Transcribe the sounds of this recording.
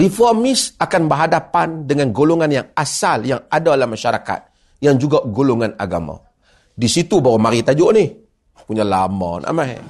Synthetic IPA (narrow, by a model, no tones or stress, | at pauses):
rifɔrmɪsakanbəɦadapandəŋanɡoloŋanjaŋasaljaŋadaalahmaʃaɾaka̰t̪̚ | jaŋd͡ʒuɡaʔɡoloŋana̰ɡa̰ma̰ | disit̪ubawamaɾit̪ad͡ʒoʔnɪh | puɲalamɔ̰nʔa̰maɦɛ̰